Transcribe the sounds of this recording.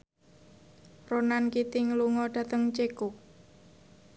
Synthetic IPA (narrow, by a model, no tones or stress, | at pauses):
ronankit̪ɪŋluŋɔɖ̪̥ä̤t̪əŋt͡ʃekʊk̚